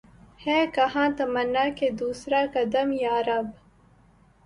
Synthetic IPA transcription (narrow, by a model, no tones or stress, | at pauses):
heːkɐhãːt̪ɐmɐnːaːked̪uːsɾaːkɐd̪ɐmjaːɾɐb